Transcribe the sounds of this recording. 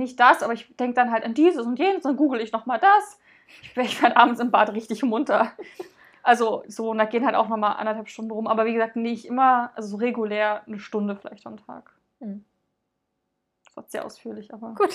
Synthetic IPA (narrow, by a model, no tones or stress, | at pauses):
nɪçt̚d̥asʔaːbɐɪçd̥ɛŋk̚əd̥anɦaltandiːzəsʊntjeːnəsd̥anɡuːɡl̩ɪçnɔχmaːldas | ɪç̥ɛɪçfeɛɐdəʔa̰ːbm̩n̩t͡sɪmbaːtʁɪçtɪçmʊntɐ | ʔalzozoːnd̥aːɡeːənhaltaʊxnɔχmaːlʔa̰ndɐthalpʃtʊndn̩ʁʊmʔaːbɐviːɡəzaːk̚tnɪçʔɪmɐʔalzozoːʁeɡuleːɐnəʃtʊndəfɪla̰ɪçtɔn̩tʰa̰ːk | sva̰tz̥eːɐʔa̰ʊsfyːɐlɪçʔaːbɐɡ̥ːt